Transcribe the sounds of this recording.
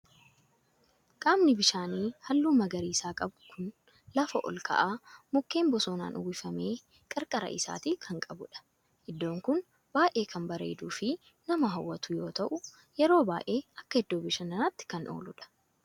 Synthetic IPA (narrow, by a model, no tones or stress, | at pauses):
kʼaːmnɪbɪʃaːniːhɐlːuːmɐɡɐɾiːsaːkʼɐbʊkʰʊn | lɐfɐʔɔ̰lkʰɐ̰ʔaːmʊkːe̞ːmbɔsoːna̰ːnʔʊ̰wɪfɐme̞ː | kʼɐɾkʼɐɾɐ̰ʔɪsa̰ːt̪iːkʰɐŋkʼɐbʊᶑɐ̥ | ʔɪd̪ːo̞ːŋkʊn | b̥aːʔeːkʰɐmbɐɾḛːd̪uːfɪ | nɐmɐɦɐwːɐt̪ʊjo̞ːt̪ɐʔʊ | jɛɾo̞ːba̰ːʔe̞ːɐkːɐhɪd̪ːoːbɪʃɐnɐnat̪ːɪ̥kɐnʔo̰ːlʊᶑɐ̥